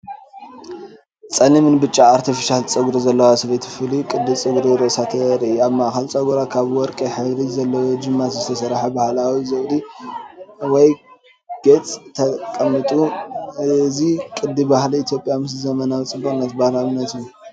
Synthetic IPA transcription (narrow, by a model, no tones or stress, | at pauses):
t͡sʼɐnɨmɨnbɨt͡ʃʼːaaɾt̪ʰifiʃalt͡sʼɨɡuɾizɐlːɐwasɐβet̪ʰfɨlikʼɨd̪ːɨt͡sʼɨɡɾiɾosat̪ʰɐɾʔaβmaʔxɐlt͡sʼɐɡuɾakʰaβwɔɾkʼɐħɨβɾizɐlːɐwod͡ʒɨmːat̪zɨt̪ʰɐsɐɾħabahlawizɐβdi | wɔj | ɡ̥et͡sʼt̪ʰɐkʼɐmːɨt̪ʼu | zikʼɨd̪ːibahliit̪ʰjo̞pʼːjamɨs̬zɐmɐnawit͡sʼɨbːuxʼɨnːɐt̪bahlaβnːɐt̪ɨju